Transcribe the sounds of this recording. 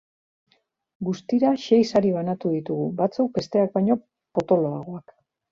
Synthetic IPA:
ɡust̪iɾaʃe̞jsaɾiβanat̪uðit̪uɣubat͡sowk̚be̞st̪e̞ak̚bajɲo̞ | po̞t̪o̞lo̞aɣ̞o̞ak

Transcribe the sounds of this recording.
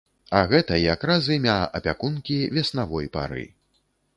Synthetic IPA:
ɐɣɛt̪ɐjakɾazɨmʲaɐ̰pʲakunkʲivʲɛsnavɔjpa̰ɾɨ̰

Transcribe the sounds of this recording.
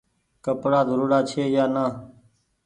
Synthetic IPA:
kəpɽaːzəɾuːɽaːt͡ʃʰeːjaːnaː

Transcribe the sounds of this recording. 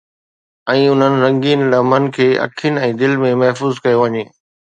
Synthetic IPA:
ɛ̃ːʊn̤ənɪ̆ɾɐ̃ŋɡiːnlɐmən̆kʰeːʔɐ̰kʰɪnɛ̃ːd̪ɪlmẽmɐɦfuːzkɐjoʋɐɲeː

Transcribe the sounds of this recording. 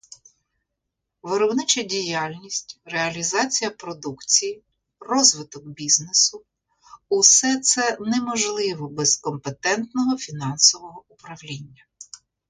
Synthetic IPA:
ʋeɾɔbnɪt͡ʃɐdʲijɑlʲnʲisʲtʲreɐlʲizɑt͡sʲijɐpɾɔd̪ukt͡sʲiji | rɔzʋɪt̪ɔkbʲiznesʊ | ʊsɛt̪sɛnɛmɔʒlˠɪʋɔbɛzkɔmpet̪ɛnt̪nɔɦɔfʲinɑnsɔʋɔɦɔʊpɾɐwlʲinʲːɐ

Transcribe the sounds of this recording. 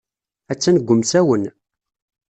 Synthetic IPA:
æt͡sːænəɡʷːʊmsæwən

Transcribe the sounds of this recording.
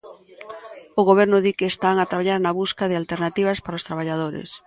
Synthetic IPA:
oɣoβ̞ɛɾnʊðikeːst̪aŋat̪ɾaβaʎaɾnaβuskaðɪalt̪eɾnat̪iβ̞ɐspaɾaost̪ɾaβ̞aʎað̞oɾḛs

